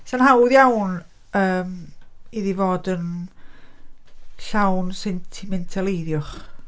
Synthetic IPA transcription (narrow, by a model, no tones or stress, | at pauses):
sanhawðjawn | əːmiðivoːdən | ɬawnsɛntʰɪmɛntʰalˠejðjʊχ